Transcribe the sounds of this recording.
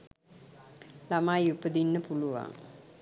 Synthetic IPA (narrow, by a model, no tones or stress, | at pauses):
lamaːjupəd̪inːəpuluʋa̰ŋ